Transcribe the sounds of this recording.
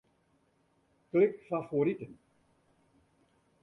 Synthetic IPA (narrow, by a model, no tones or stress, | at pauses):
klɪkfafoɾitən